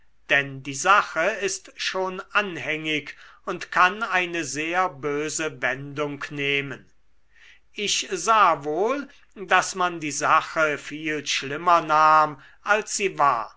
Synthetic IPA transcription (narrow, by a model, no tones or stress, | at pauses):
d̥ɛndiːzaχəɪstʃoːnʔanhɛŋɪkʊntkʰanaɪnəzeːɐbøːzəvɛndʊŋkneːmən | ʔɪʃzaːvoːl | dasmandiːzaxəfiːlʃlɪmɐnaːm | ʔalsz̥iːva̰ːɐ